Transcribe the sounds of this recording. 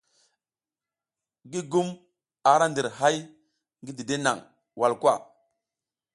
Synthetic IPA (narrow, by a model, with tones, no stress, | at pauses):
ɡi˦ɡu˦m | a˨ɾa˦ndi˨ɾɦa˦j | ŋɡi˦di˨de˦na̰˨ŋ | wa˨lkʷwa˦˨